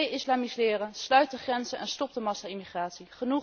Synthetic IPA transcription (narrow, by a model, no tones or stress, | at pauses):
jɪslaːmislɪːrənslœɥt̚dəχrɛnzənʔɛnstɔp̚dəmɑsaimiχraːtsiχənu